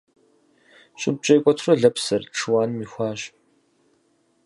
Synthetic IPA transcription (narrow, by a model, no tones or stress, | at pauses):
ɕʼɪb̚t͡ʃʼɐjkʷʼɔtʰrɐɮɐpsɐrʈ͡ʂʰɨwaːnmiːxʷɑːɕ